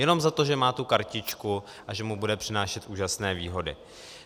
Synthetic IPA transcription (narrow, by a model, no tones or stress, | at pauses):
jɛno̞mzat̪o̞ʒɛmaːt̪ukaɾcɪt͡ʃku | ʔaʒɛmubudɛpr̥ɪnaːʃɛt̪ʔuːʒasnɛːviːɦo̞dɪ̰